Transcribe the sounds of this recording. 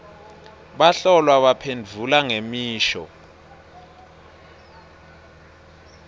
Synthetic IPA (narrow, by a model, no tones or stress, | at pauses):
ɓaɬɔlwaɓapʰend͡vʱulaŋemiːʃɔ̰